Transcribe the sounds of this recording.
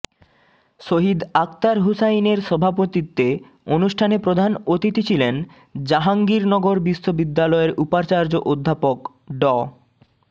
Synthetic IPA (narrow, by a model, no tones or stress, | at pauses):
ʃoɦid̪ak̚t̪aɾɦusajneɾʃɔbʱapot̪it̪ːe | onuʃʈʰanepɾod̪ʱanot̪it̪it͡ɕʰilen | d͡ʑaɦaŋɡiɾnɔɡoɾbisːobid̪ːalɔeɾʔupaɾt͡ɕaɾd͡ʑoʔod̪ʱːapok | ɖɔ